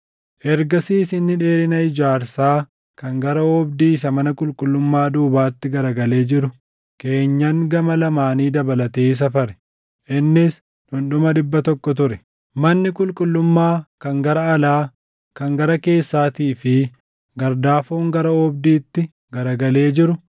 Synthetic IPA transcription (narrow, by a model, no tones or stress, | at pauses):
ʔɛɾɡɐsiːsɪnːɪᶑe̞ːɾɪnɐɪd͡ʒaːɾsaː | kɐŋɡɐɾɐɔbd̪iːɪs̬ɐmɐnɐkʼʊlkʼʊlːʊmːaːd̪uːbaːt̪ːɪɡɐɾɐɡɐle̞ːd͡ʒɪɾʊ | ke̞ːɲːɐŋɡɐmɐlɐmaːniːd̪ɐbɐlɐt̪eːs̬ɐfɐɾɛ̥ | ʔɪnːɪs | ᶑʊnɗʊmɐd̪ɪbːɐt̪ɔkːɔt̪ʊɾɛ | mɐnːɪkʼʊlkʼʊlːʊmːaːkɐŋɡɐɾɐːlaː | kɐŋɡɐɾɐke̞ːsːaːt̪iːfɪ | ɡɐɾd̪aːfoːŋɡɐɾɐɔbd̪iːt̪ːɪ | ɡɐɾɐɡɐle̞ːd͡ʒɪɾʊ